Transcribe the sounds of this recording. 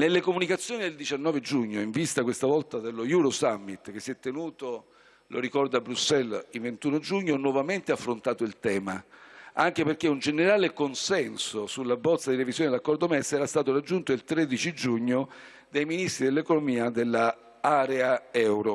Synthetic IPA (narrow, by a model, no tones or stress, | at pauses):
nelːekomunikat̪sːjoːnid̪eld̪it͡ʃanːɔːved͡ʒuɲːoiɱvist̪akwest̪avɔlt̪ad̪elːojuɾosamːit̪k̟esːiɛt̪ːenuːt̪o | lʔo̰ɾikɔrd̪abːɾusːɛlilvent̪unod͡ʒuɲːonwɔvament̪eafːɾont̪aːt̪oilt̪ɛːmaaŋk̟eperk̟eund͡ʒeneɾaːlekonsɛnsosulːabːɔt̪sːad̪iɾevizjond̪lakːɔrd̪omɛsːɛɾast̪aːt̪orad͡ʒːunt̪oilt̪ɾed̪it͡ʃid͡ʒuɲːo | d̪ajminist̪ɾid̪elːekonomiːad̪elːa | aːɾeaɛwɾo